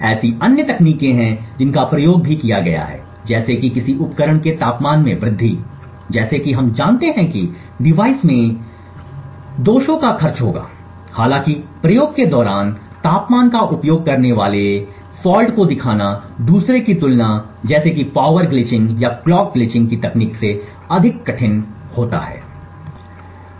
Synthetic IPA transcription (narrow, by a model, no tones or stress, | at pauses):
ɛːsiɐnjət̪ɐkniːkẽɦɛ̃d͡ʒɪnkapɾɐjoːɡ̚bʱikijaɡɐ̰ja̰ɦɛ̰ː | d͡ʒɛːsekikɪsiʊpkəɾəɽ̃ket̪aːpmaːnmẽbɾɪd̪ʱːḭ | d͡ʒɛːsekiɦɐmd͡ʒaːnt̪eɦɛ̃ki | ɖɪʋaːɪsmẽ | d̪oːʃõkaxɐɾt͡ʃɦo̰ːɡa̰ː | haːlãkipɾɐjoːɡked̪ɔːɾaːn | t̪aːpmaːnkaʔʊpjoːɡ̚kɐɾneʋaːle | fɔːlɖkod̪ɪkʰaːnad̪uːsɾekit̪ʊlna | d͡ʒɛːsekipaːʋəɾɡlɪt͡ʃɪ̃ŋɡjaklɔːk̚ɡlɪt͡ʃɪ̃ŋɡ̚kit̪ɐkniːkse | ɐd̪ʱɪkːɐʈʰɪnhoːt̪a̰ɦɛ̰ː